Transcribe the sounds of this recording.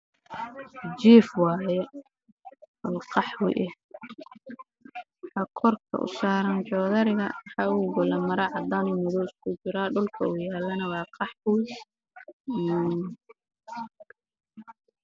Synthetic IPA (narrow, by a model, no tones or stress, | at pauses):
d͡ʒiːfwɑːjɛ | ɔːqɑħwʊ̰jʔɛ | ħɑkʰɔrkʰɐ̰ʔʊ̰saːɾɐnt͡ʃɔːðɐɾɪɣɐmħɑːʊɡʊlɐmɐɾɐʕɑd̪aːnʊmɪðɔːɪskʰʊt͡ʃɪɾaːɖʊlkʰɐuːjaːlːɐnɐwɑːqɑħwɪj